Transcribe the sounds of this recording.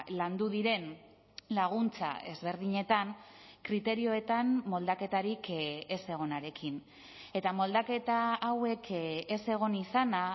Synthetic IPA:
land̪uðiɾe̞n | laɣ̞unt͡sa̰e̞zβe̞ɾðiɲe̞t̪ankɾit̪e̞ɾio̞e̞t̪amːo̞ld̪ake̞t̪aɾike̞se̞ɣ̞o̞naɾe̞kʰin | e̞t̪amo̞ld̪ake̞t̪aawe̞ke̞se̞ɣ̞o̞nisana

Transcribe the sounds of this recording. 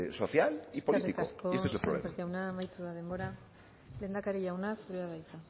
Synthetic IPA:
soθjaleispoiriikaoskoesesepɾolḛpeɾt̪iawnamajt̪uðað̞e̞mbo̞ɾa | le̞nd̪akaɾiʎawnazβɾuaβajt̪a

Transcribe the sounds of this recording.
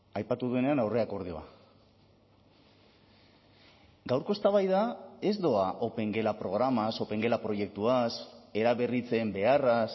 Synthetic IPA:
ajpat̪uðue̞ne̞anawre̞ako̞ɾð̞io̞a̰ | ɡawɾko̞e̞st̪aβajðae̞zd̪o̞aʔo̞pe̞ŋɡe̞lapɾo̞ɣ̞ɾamaso̞pe̞ŋɡe̞lapɾo̞je̞k̚t̪uase̞ɾaβe̞rit͡se̞mbe̞aras

